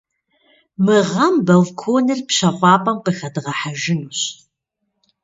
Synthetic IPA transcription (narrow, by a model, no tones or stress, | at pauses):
mɨʁɐmbɐlkʰoːnɨrpɕɐχʷɑːpʼɐmqɨxɐdɨʁɐħaʒɪnuːɕ